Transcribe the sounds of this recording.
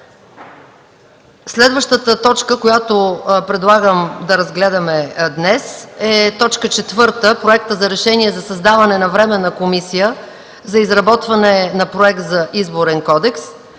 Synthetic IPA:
slɛd̪vəʃt̪ət̪ət̪ɔt͡ʃkəkojat̪opɾɛd̪lˠaɡəmd̪ɐɾɐzɡlɛd̪ɐmɛd̪nɛsɛt̪ɔt͡ʃkət͡ʃɛt̪vɤɾt̪əpɾoɛk̚t̪əzɐɾɛʃɛniɛzɐsɐzd̪avɐnɛnɐvɾɛmɛnɐkomisijə | zɐizɾɐbɔt̪vɐnɛnɐpɾoɛk̚t̪zɐʔizboɾɛnkɔd̪ɛks

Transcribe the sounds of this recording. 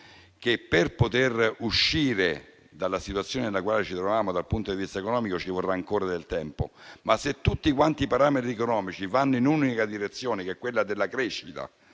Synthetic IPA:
kepːerpot̪eruʃːiːɾe | d̪alːasit̪wat̪sːjoːnenelakwaːlet͡ʃit̪ɾovaːmod̪alpunt̪od̪ivist̪aekonɔːmikot͡ʃivorːaːŋkoːɾad̪elt̪ɛmpo̰maset̪ːut̪ːikwant̪ipaɾaːmet̪ɾiekonɔːmit͡ʃivanːoinunikad̪iɾet̪sːjoːnekeɛkːwelːad̪elːakɾeʃːit̪a̰

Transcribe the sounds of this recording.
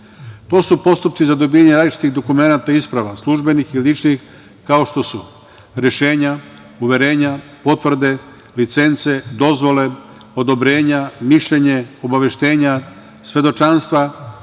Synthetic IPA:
t̪o̞ːsupo̞st̪up̪̚sizad̪o̞biːjaɲeɾaːd̪lit͡ʃi̥t̪iɣd̪o̞kume̞nat̪aispɾaʋaslˠuʒbenixilit͡ʃnix | kao̞ʃt̪o̞su | ɾjeʃe̞ːɲa | uʋjeɾe̞ːɲapo̞t̪ʋvr̩d̪e̞ | lit̪se̞nt̪se̞d̪o̞zʋo̞le̞ | o̞d̪o̞bɾe̞ːɲamiʃʎeɲe̞o̞baʋe̞ʃt̪e̞ːɲa | sʋe̞d̪o̞t͡ʃanst̪ʋa

